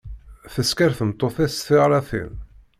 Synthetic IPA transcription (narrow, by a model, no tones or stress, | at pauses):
θəskaɾθəmt̪ˤːoθisθɪʁɾˤɑθḭn